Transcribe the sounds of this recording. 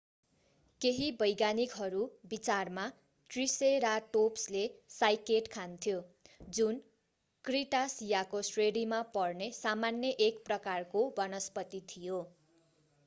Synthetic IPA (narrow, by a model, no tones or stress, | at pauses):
keɦibʌjɡanikɦʌɾubit͡sarma | ʈriseɾaʈopslesajkeʈkʰant̪ʰjod͡zun | kriʈasijakosreɽimapʌrnesamanjʌʔekprʌkarkobʌnʌspʌt̪it̪ʰijo